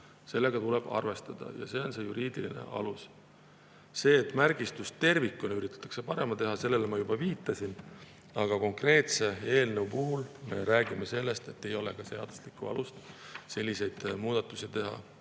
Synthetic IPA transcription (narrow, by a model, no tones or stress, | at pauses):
se̞lːe̞ɡ̥ɑt̪uleb̥ɑ̰rve̞st̪ɑd̪̥ɑ̰jɑ̰se̞ːo̞nse̞juɾiːd̪̥iline̞̰ʔɑ̰lus | se̞ːt̪ːˑmærɡ̥ist̪ust̪e̞rvikːˑuneyɾit̪ːˑɑ̥t̪ːˑɑ̥kse̞pɑɾe̞mɑt̪e̞ɦɑse̞lːe̞lemɑjubɑviːt̪ːˑɑsin | ɑɡ̥ɑko̞ŋkre̞ːt̪se̞e̞ːlneupuɦulme̞ɾæːɡimese̞lːe̞st̪e̞t̪ːe̞jo̞le̞kɑse̞ɑ̰d̪̥u̥slikːˑuɑ̰lust̪se̞lʲːise̞jd̪̥muːd̪̥ɑt̪ːˑusit̪e̞ɦɑ̰